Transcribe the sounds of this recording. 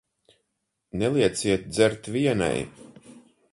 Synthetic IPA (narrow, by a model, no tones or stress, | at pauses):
nɛlˠiɛt̪siɛt̪̚d̪zɛɾt̪vʲiɛna̰j